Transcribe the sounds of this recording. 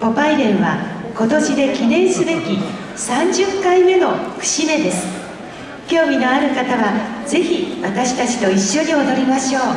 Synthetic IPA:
po̞paiɾẽ̞ɰ̃βako̞t̪o̞ɕid̪e̞kʲinẽ̞ɰ̃sɨbe̞kʲi | sãɲd͡ʑɨkːaime̞no̞ɸɯ̟̥ɕime̞d̪e̞sɨ̥ | kʲo̞ːmʲino̞aɾɯ̟kat̪aβad͡ze̞çiβat̪aɕi̥t̪at͡ɕi̥t̪o̞iɕːo̞ɲ̟io̞d̪o̞ɾʲimaɕo̞ː

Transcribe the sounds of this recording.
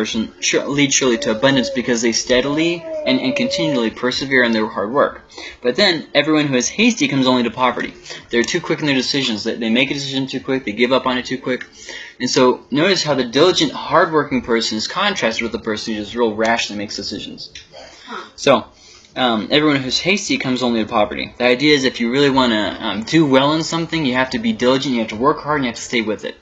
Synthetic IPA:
sɨ̃n̩ʃlidz̥ʃɹul̩ˠiɾɨːbʌ̃ndɨ̃ntsb̥ɨkʰʌzðeɪstɛɾl̩ˠiɨ̃nɨ̰̃nkʰɨ̃ntʰɪ̃njʉl̩ˠipʰə˞sɨvɪɹɨ̃nðə˞hɑɹd̚wɜ̰˞k | b̥ʌt̪̚ðɨ̃nɛvɹiwʌ̃nɦʉɨz̥heɪstikʰʌ̃mzõʊ̃nliɾɨpʰɑvə̰˞ɾḭðə˞tʰʉkʰw̥ɪkn̩ðə˞dɨsɪʒɨ̃nzðɨðeɪmeɪkɨdɨs̬ɪʒɨ̃n̩tʰʉkʰw̥ɪk̚ðeɪɡɪvʌpn̩ɨtʰʉkʰw̥ɪk | ɨ̃nsoʊnoʊɾɨshaʊðɨdɪlˠəd͡ʒɨ̃nʔhɑɹd̚wɜ˞kɪ̃ŋpʰɜ˞sɨ̃nɨz̥kʰɑ̃ntʰɹ̥æk̚tɨd̚wɨðəpʰɜ˞sn̩hʉd͡ʒʌst̚ɹɪl̩ˠɹæʃ̩ˠimeɪksd̥ɨsɪʒ̃n̩z̥ | soʊ | ɛvɹiwʌ̃nɦʉz̥heɪstikʰʌ̃mzõʊ̃nliɾɨpʰɑvə̰˞ɾḭðiaɪdiɨɨzɨfjɨɹɪlˠiwɑ̃ñɨdɨwɛlˠə̃nsʌ̃mθɪ̃ŋjɨhæftɨbidɪlˠəd͡ʒɨ̃njɨhæftəwɜ˞khɑɹdɨ̃n̩jɨhæftɨ̥steɪwɪðɪ̰t̚

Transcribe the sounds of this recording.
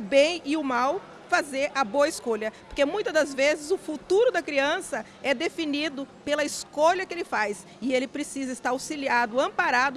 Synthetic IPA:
ʊbẽj̃ɪʊmaw | fazeɾʔɐboɐɪskoʎɐpoɾkemũj̃t̪ɐd̪ɐzvezɪzʊfut̪uɾʊd̪ɐkɾiɐ̃sɐ | ɛd̪efinid̪ʊpelɐɪskoʎɐkɪelɪfajs | ɪelɪpɾesizɐɪst̪aɾawsiliad̪ʊɐ̃mpaɾad̪ʊ

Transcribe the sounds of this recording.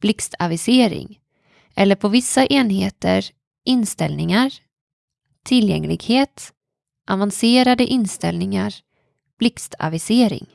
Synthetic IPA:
b̥lɪkst̪ʰavɪseːɾɪ̰ŋ | ʔɛlːəɾpʰɔvɪsːaʔeːnheːt̪ə̰ɾ | ʔɪnst̪ɛlnɪŋaɾ | t̪ʰɪlːjɛ̰ŋːlɪ̰ɡheːt̪ | ʔavanseːɾad̪əʔɪnst̪ɛ̰lnɪŋaɾ | b̥lɪkst̪ʰa̰vɪseːɾɪ̰ŋ

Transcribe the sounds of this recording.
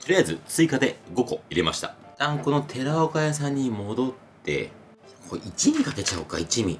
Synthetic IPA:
t̪o̞ɾʲijazɨt͡sɨikad̪e̞ɡo̞ko̞iɾe̞maɕi̥t̪a̰t̪ãŋko̞no̞t̪ʰe̞ɾaokajas̬ãɲ̟ːimo̞d̪o̞t̪ːe̞̰ | kʰo̰it͡ɕimʲikake̞t͡ɕaɯka̰it͡ɕimʲi

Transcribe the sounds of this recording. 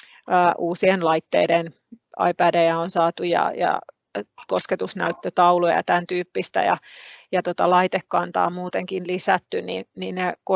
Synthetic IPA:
əːʔuːsienlɑit̪ːeiden | ɑ̰ipæːdejæonsɑːt̪ujɑ̰jɑ̰ | kosket̪usnæyt̪ːøt̪ɑulojɑ̰t̪ænt̪yːpːist̪æ̰jɑ̰jɑt̪ot̪ɑlɑit̪ekːɑnt̪ɑ̰ːmuːt̪eŋkinlisæt̪ːynḭnninneko

